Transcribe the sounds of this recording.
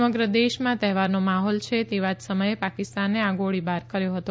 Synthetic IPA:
məɡɾəd̪eʃmãt̪ɛɦʋaɾnomaɦɔlt͡ʃʰet̪eʋad͡ʒsəməjepakɪst̪anːeãɡoɭibaɾkəɾjoɦət̪o

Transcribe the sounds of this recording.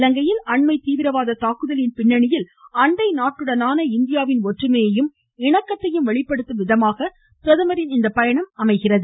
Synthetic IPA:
lɐŋɡɐjɪlɐɳmɐɪt̪iːʋɪɾɐʋaːðɐt̪aːkɯðɐlɪnpɪɳːɐɳɪjɪlɐɳɖɐɪnaːʈːɯɽɐnaːnɐɪnd̪ɪjaːʋɪnɔʈrɯmejɐjɯm | ɪɳɐkːɐt̪ːɐjɯmʋɐɭɪpːɐɽɯt̪ːɯʋɪðɐmaːɣɐ | pɪɾɐðɯmɐɾɪnɪnd̪ɐpːɐjɐɳɐmɐmɐɪɣɪrɐðɯ

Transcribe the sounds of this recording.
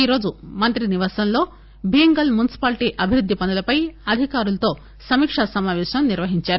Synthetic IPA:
iːɾo̞ːd͡ʒumɐnt̪ɾiniʋaːsɐnlo̞ː | bʱiŋɡɐlmunisi̥paːlʈiːʔɐbʱiɾud̪ʱːipɐnulɐpɐjɐd̪ʱikaːɾulɐt̪o̞ː | sɐmiːkʂɐsɐmaːʋɛːʃɐmniɾʋɐɦiɲt͡ʃaːɾu

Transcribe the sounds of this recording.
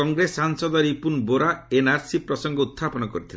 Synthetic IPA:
ɔŋɡɾesaŋsɔd̪ɔɾipunboɾaenaɾsipɾɔsɔŋɡɔut̪ʰːapɔnɔkɔɾit̪ʰilen

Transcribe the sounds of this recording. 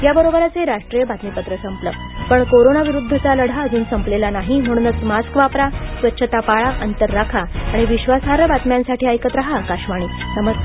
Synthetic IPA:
jabəɾobəɾat͡seɾaʂʈɾijəbat̪mipət̪ɾəsəmplə̰ː | pəɳkoɾonaʋiɾud̪ʱːət͡saləɽ̤aəd͡zuːnsəmplelanaɦim̤əɽ̃uːnət͡smaskʋapɾasʋətːɕʰət̪apaɭaʔənt̪əɾːakʰaaɽ̃iʋiɕʋasɦaɾəbat̪mjãnsaʈʰiːajkət̪ɾaɦaːkaɕmaɽ̃iːnəməs

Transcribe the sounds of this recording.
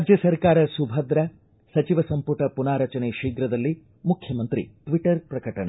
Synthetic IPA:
aːd͡ʒjɐsɐɾkaːɾɐsubʱɐd̪ɾɐ | sɐt͡ʃiʋɐsɐmpuʈɐpunaːɾɐt͡ʃɐneːʃiːɡɾɐd̪ɐlːi | mukʰjɐmɐnt̪ɾḭʈʋiʈɐɾpɾɐkɐʈɐɳɐ

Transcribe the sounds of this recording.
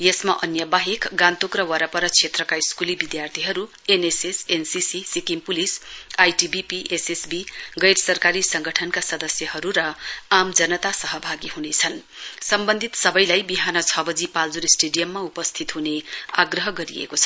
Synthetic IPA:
jesmaʔʌnjʌbaɦekɡãnt̪okrʌwʌɾʌpʌɾʌt͡sʰet̪rʌkaiskulibid̪jart̪ʰiɦʌɾu | enesesensisisikimpulisajʈibipiʔesesbiɡʌjɾʌsʌrkaɾisʌŋɡʌʈʰʌnkasʌd̪ʌsjʌɦʌɾuɾʌamd͡zʌnʌt̪asʌɦʌbʱaɡiɦunet͡sʰʌn | sʌmbʌnd̪ʱit̪sʌbʌjlajbiɦanʌt͡sʰʌbʌd͡zipald͡zuɾisʈeɖijʌmːaupʌst̪ʰit̪ɦuneaɡrʌɦʌɡʌɾiḛkot͡sʰʌ̥

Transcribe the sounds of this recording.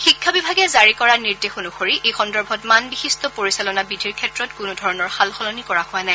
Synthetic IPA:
xikʰːabibʱaɡɛzaɹikɔɹaniɹdexunuxoɹiʔejxɔndɔɹbʱɔtmanbixistɔpoɹisalɔnabidʱiɹkʰɛtɹɔtkʊnudʱɔɹɔnɔɹxalxɔlɔnikɔɹahʊanaj

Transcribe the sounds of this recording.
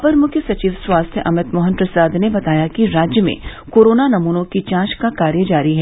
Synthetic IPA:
pəɾmʊkʰjəsɐt͡ʃiːʋswaːst̪ʰjəʔɐmɪt̪mɔːɦənpɾɐsaːd̪ʱnebɐt̪aːjakiɾaːd͡ʒjəmḛ̃koːɾoːnanɐmuːnõkit͡ʃãːʃkakaːɾjəd͡ʒaːɾiɦɛ

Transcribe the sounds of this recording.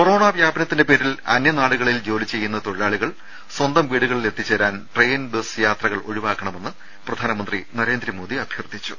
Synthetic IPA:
koro̞ːɳaʋjaːbɐnɐt̪ːinde̞peːɾilɐ̰njɐnaːɭuɣɐɭild͡ʑo̞ːlit͡ɕe̞jːunːɐt̪o̞ɻiɾaːɭiɣɐɭ | swɐnd̪ɐmʋiːɽuɣɐɭile̞t̪ːit͡ɕːeːɾaːnʈrejnbesjaːt̪rɐɣɐɭʔoɻiʋaːkːɐɳɐme̞nːɨ | prɐd̪ʱaːnɐmɐnd̪rinɐɾe̞ːnd̪ɾɐmo̞ːd̪iɐbʱjɐrd̪ʱit͡ɕːu̥̰

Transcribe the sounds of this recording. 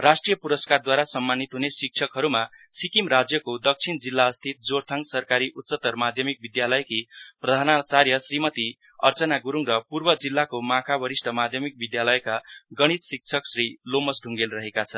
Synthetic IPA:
rasʈrijʌpuɾʌskard̪waɾasʌmːanːit̪ɦunesik̚t͡sʰʌkɦʌɾuma | sikimrad͡zjʌkod̪ʌk̚t͡sʰind͡zilːaʌst̪ʰit̪̚d͡zoɾt̪ʰaŋsʌrkaɾiʔut̪ːt͡sʌt̪ʌrmad̪ʱjʌmik̚bid̪jalʌjkiprʌd̪ʱanat͡sarjʌsrimʌt̪i | ʌ̰rt͡sʌnaɡuɾuŋrʌpurbʌd͡zilːakomãkʰabʌɾisʈʰʌmad̪ʱjʌmik̚bid̪jalʌjkaɡʌɽ̃it̪sik̚t͡sʰʌksrilomʌsɖʱuŋɡelrʌɦekat͡sʰʌn

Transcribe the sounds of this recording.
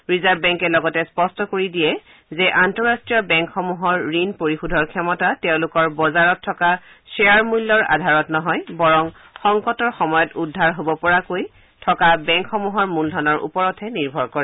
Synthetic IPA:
ɹizaɹbbɛŋkɛlɔɡɔtɛspɔstɔkoɹidijɛ | zɛʔantɔɹastɹijɔbɛŋkxɔmuɦɔɹːinpoɹixudʱɔɹkʰɛmɔtatɛʊ̃lʊkɔɹbɔzaɹɔtʰːɔka | sɛaɹmulːɔɹa̰dʱaɹɔtnɔɦɔjbɔɹɔŋ | xɔŋkɔtɔɹxɔmɔjɔtudʱːaɹɦobɔpɔɹakoj | tʰɔkabɛŋkxɔmuɦɔɹmuldʱɔnɔɹʔṵpɔɹɔtʰɛniɹbʱɔɹkɔɹɛ

